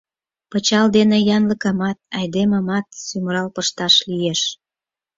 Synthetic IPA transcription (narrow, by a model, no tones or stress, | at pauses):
pət͡ɕɑld̪enejɑnləkɑmɑt̪̚ɑjd̪emɑmɑt̪̚symɾɑlpəʃt̪ɑʃlijeʃ